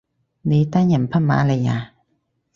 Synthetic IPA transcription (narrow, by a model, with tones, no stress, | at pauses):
ni˨˦t̪a˥˨ɲa˨mpʰa˥˨ma̰ː˨˦la˧˨ja˨